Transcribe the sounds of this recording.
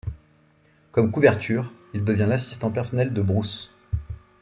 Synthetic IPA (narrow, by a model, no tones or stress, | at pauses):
kɔmkuvɛʁt̪ʰyːʁild̪əvjɛ̃lasi̥st̪ɑ̃pɛʁsɔnɛld̪əbʁus